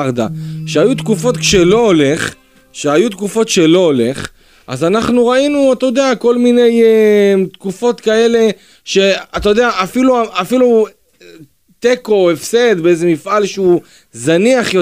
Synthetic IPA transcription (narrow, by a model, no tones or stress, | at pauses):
ʁd̪a̰ʃeajut̪kufo̞t̪kʃelo̞ole̞χ | ʃeajut̪kufo̞t̪ʃe̞lo̞ole̞χ | ʔa̰zanaχnuʁainuat̪ajod̪eako̞lmine̞jt̪kufo̞t̪kae̞le̞ | ʃe̞at̪ajod̪eaʔafiluaafilu | t̪eko̞efse̞d̪beezemifʔalʃeu | zaniaχjo